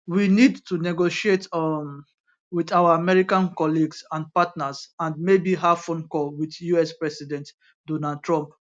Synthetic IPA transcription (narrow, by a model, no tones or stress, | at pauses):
winidtunɛɡoʃiet | widawaamɛɹikãnkɔliɡsãnpatnasãndmebiɦafɔ̃nkɔlwiθjuɛspɹɛsidɛ̃nt | dɔnald̚tɹɔ̃mp